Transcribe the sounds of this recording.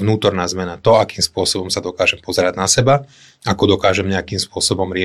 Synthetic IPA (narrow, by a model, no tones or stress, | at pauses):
nuːt̪ɔɾnaːzmɛnat̪ɔakiːmspʊɔsɔbɔmsad̪ɔkaːʒɛmpɔzɛɾaɟnasɛba | akɔd̪ɔkaːʒɛmɲɛakiːmspʊɔsɔbɔmɾɪɛ